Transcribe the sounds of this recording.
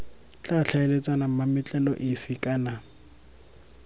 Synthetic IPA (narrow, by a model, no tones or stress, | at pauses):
t͡ɬʼaɬʰaelet͡sʼanamamɪt͡ɬʼɛlɔʔɪfɪkʼaːna